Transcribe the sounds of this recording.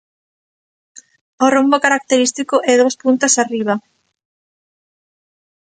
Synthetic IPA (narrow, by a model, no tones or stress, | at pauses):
orombokaɾak̚t̪eɾist̪ikoʔɛðospunt̪asariβ̞a